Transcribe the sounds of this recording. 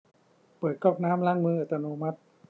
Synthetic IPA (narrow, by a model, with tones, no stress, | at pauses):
pɤː˨˩t̪̚kɔː˥˩k̚naː˦˥mlaː˧˥˩ŋmɯː˧ʔa˨˩t̪ːa˧noː˧ma˦˥t̪̚